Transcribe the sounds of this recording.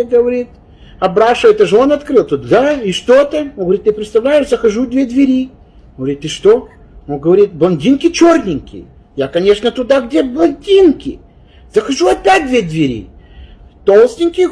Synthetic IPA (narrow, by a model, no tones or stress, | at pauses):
ɡəvɐɾʲit̪ | ɐbɾaʂɨvəjt̪əʐɨonɐt̪kɾɨlˠt̪ut̪̚d̪aɪʂt̪o̞t̪əonɡəvɾʲit̪ːɨpɾʲɪt̪st̪ɐvlʲæjɪʂzəxɐʐud̪vʲe̞d̪vʲɪɾʲi | oɡɡəvɐɾʲit̪ɨʂt̪o̞ | onɡəvɐɾʲit̪̚blˠɐnʲdʲinkʲɪt͡ɕornʲɪŋʲkʲɪ̰ | jakɐnʲe̞ʂnət̪ʊd̪aɡdʲe̞blˠɐnʲdʲinkʲɪ | z̥əxɐʐuɐpʲæt̚ʲd̪vʲe̞d̪vʲɪɾʲḭ | t̪olˠsʲtʲɪnʲkʲɪ